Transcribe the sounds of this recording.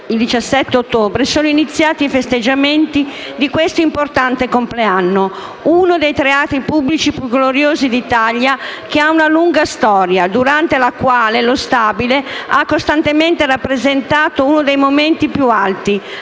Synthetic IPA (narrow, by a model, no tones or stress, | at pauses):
ild̪it͡ʃasːɛt̪ːeot̪ːoːbɾesoːnoinit̪sːjaːt̪ifest̪ed͡ʒːament̪i | d̪ikwest̪oimport̪ant̪ekompleanːo | unod̪ejt̪ɾeaːt̪ɾipubːlit͡ʃipjuɡloɾjoːzid̪it̪aʎjakeaunaluŋɡast̪ɔːɾjad̪uɾant̪elakwaːlelost̪abileakːost̪ant̪ement̪erapːɾezent̪aːt̪ounod̪ejmoment̪ipjualt̪i